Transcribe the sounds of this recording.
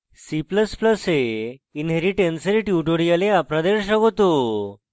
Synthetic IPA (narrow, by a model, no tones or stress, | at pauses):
sipləspləseinɦeɾiʈensəɾiʈjuʈoɽijaleapɾad̪eɾɕəɡɦot̪o